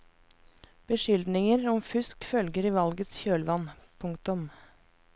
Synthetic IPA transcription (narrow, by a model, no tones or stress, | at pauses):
b̥əʃʏld̪nɪŋəɾɔmfʉskfœlɡəɾiːʋɑlɡət̪sçøːlʋɑnpʰʊŋkt̪ʊm